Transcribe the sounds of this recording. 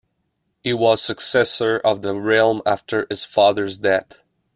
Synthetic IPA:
hiwʌz̥sɨksɛsə˞ʔʌvðəɹɪlˠmæftʰə˞ɨz̥fɑðəɹzdɛθ

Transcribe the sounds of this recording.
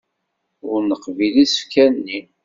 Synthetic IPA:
ʊɾnəqvilisə̥fkænːi

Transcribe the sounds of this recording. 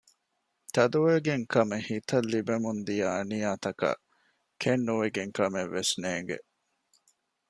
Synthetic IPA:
t̪ɐd̪uʋeɡeŋkɐmehit̪ɐlːibemund̪ijɐːnijaːt̪ɐkɐ̰ | kʰenːuʋeɡeŋkɐmeʋːesneːŋɡḛ

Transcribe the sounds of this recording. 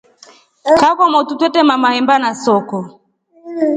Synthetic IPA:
kakɔmɔtutwɛtɛmamahɛmbanasɔkɔ

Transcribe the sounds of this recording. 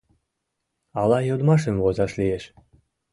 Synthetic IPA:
ɑlˠɑjod̪mɑʃ̬ĕmvozɑʃlieʃ

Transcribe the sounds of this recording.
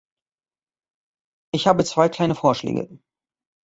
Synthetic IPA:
ʔɪçhaːbət͡sv̥aɪkʰl̥aɪnəfoːɐʃlɛ̰ːɡə̰

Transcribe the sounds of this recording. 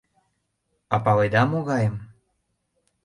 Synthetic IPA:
ɑpɑled̪ɑmoɣɑjəm

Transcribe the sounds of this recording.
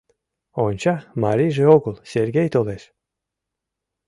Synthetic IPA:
ont͡ɕɑmaɾiʒeoɡɤlˠseɾɡʲejt̪oleʃ

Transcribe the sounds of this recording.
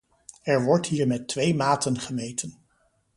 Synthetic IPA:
ɛɹʋɔɹtɦiːɹmɛtʋejmaːtənχəmejtən

